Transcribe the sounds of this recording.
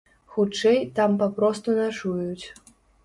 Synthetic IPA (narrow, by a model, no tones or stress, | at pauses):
xut͡ʂɛjt̪ampapɾɔst̪unaʂujut͡sʲ